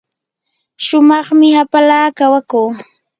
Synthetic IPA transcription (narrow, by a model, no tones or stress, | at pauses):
ʃʊmɑχmɪhapalaːkawakuː